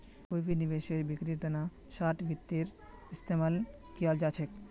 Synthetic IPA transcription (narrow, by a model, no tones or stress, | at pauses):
kojbʱinibeʃeɾbikɾit̪ona | ʃaʈbit̪ːiɾ | ist̪ʰemal | t̪iald͡ʑat͡ɕʰek